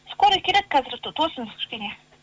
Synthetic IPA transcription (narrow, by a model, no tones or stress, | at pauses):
skoɾəkʲʰeɾed̪̚kʰæzɪɾt̪ʰosəmz̥kʲʰʏ̥ʃkʲene